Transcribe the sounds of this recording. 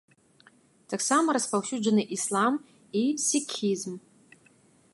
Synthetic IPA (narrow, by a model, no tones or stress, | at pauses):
dʰaksamɐɾaspalˠʃud͡ʒanɨʔislˠam | isikʲʰizm